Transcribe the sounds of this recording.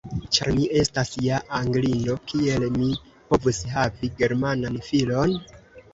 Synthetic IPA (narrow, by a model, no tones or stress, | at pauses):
t͡ʃa̰ɾmiʔe̞stasjaʔaŋɡlino̞kie̞lmi | po̞vushaviɡe̞ɾmananfilo̞n